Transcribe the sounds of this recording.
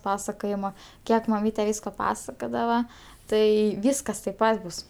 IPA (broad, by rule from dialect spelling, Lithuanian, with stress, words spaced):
ˈpɑːsɐkoːjɪmɐ ˈkʲiɛk mɐˈmʲiːtʲɛ ˈʋʲiːskoː ˈpɑːsɐkoːdɐʋɐ ˈtɐɪ ˈʋʲiːskɐs tɐɪp ˈpɐt bʊs